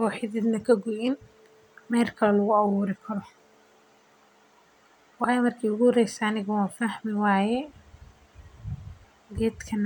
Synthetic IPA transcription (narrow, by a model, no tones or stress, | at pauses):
ɔːħɪðɛd̪nɐkʰɐɡʊʔɪn | mɛːrkʰɐlɐlʊɣʊɑwuːɾɪkʰɐɾɔ | wɑːjɛmɐrkʰiːʊɣʊhɾɛjsɐːnɪɣɐwaːfahmɪwɑːjɛ | ɡɛːd̪kʰɐn